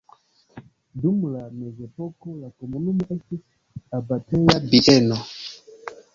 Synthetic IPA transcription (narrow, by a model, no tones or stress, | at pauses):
dumlamezɛpɔkɔlakomonumɛsi | abatɛjabiʔɛnɔ